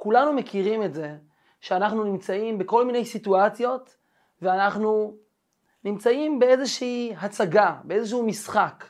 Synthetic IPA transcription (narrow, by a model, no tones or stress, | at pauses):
kulanumekiʁime̞tze̞ | ʃeanaχnunimt͡saimbeko̞lmine̞jsituat͡sjo̞t | veanaχnu | nimt͡saimbe̞e̞zeʃiːɦat͡saɡabeezeʃ̬uumisχak